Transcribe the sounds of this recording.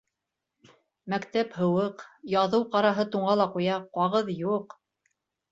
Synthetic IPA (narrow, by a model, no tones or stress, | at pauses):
mækt̪æphɤ̆wɤqjɑðɤwqɑɾɑɦɤt̪uɴɑlˠɑqujɑqɑʁɤðjuq